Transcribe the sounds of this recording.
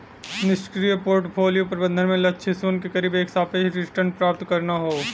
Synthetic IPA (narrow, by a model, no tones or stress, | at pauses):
nɪʃkɾijəpoːɾʈpʰoːlijopɐɾbə̃nd̪ʱənmẽlɐtːʃʰesuːnkekɐɾiːbeːksaːpeɦɾɪsʈəɾɳɖ̚pɾaːp̚t̪kɐɾnaɦoː